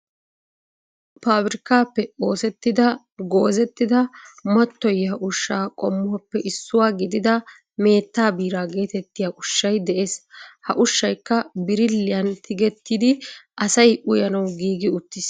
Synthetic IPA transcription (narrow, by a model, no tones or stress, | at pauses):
paːbɾɪkaːpːɛo̞ːsɛt̪ːɪd̪ɐ | ɡo̞ːzɛt̪ːɪd̪ɐmɐt̪ːɔjːɐʔʊʃːaːkʼɔmːʊɐpːɛʔɪsːʊwaːɡɪd̪ɪd̪ɐ | me̞ːt̪ːaːbiːɾaːɡe̞ːt̪ɛt̪ːɪjaʔʊʃːɐjd̪ɛʔe̞ːshɐ̰ʔʊʃːɐjkːɐbɪɾɪlːɪjɐnt̪ʰɪɡɛt̪ːiːd̪ɪʔɐsɐjʔʊjɐnɐwɡiːɡɪʊt̪ːɪs